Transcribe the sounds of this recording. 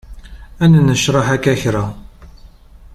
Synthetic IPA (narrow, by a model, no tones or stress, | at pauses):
ænnəʃɾˤɑħækːæçɾa